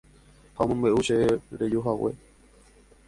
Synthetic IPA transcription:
hamɨ̃mbeʔuʃeɾed͡ʒuɦawe̞̰

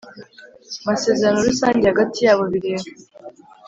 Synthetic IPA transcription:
mase̞ːzeɾano̞ɾisaːɲɟehaɡatijaːβo̞βiɾe̞ːɾo

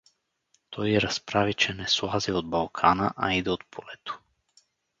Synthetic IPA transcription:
t̪ʰɔjɛɾaspɾavit͡ʃɛnɛslˠaziod̪̚balˠkʰanaʔa̰id̪ɛot̪̚pʰɔlɛt̪o̥

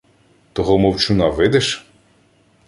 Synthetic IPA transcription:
t̪ɔɦɔmɔwt͡ʃʊnɑʋɪd̪ɛʃ

